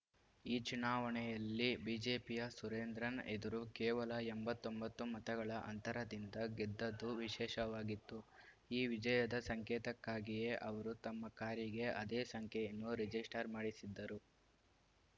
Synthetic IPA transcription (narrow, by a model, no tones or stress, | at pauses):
iːt͡ʃunaːʋɐɳɛjɐlːibiːd͡ʒe̞ːpijɐsuɾeːnd̪ɾɐnḛd̪ɐɾukɛːʋɐlɐembɐt̪ːo̞mbɐt̪ːumɐt̪ɐɡɐɭɐʔɐ̰nt̪ɐɾɐd̪ind̪ɐɡed̪ːɐd̪ːuʋiʃɛːʃɐʋaːɡit̪ːu | iːʋid͡ʒɐjɐd̪ɐsɐŋkɛːt̪ɐkːaːɡijeʔɐʋɐɾut̪ɐmːɐkaːɾjiɡe̞ʔɐd̪eːsɐŋkʰɛjɐnːuɾed͡ʒisʈɐɾmaːɽisid̪ːɐɾu